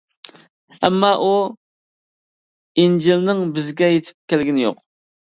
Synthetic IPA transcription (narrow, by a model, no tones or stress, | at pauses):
ɛ̰mːɑʔu | ind͡ʒilnɨŋbɪzɡʲɛjet̪ʰɪ̥p̚kʲʰælɡʲinɪjo̰q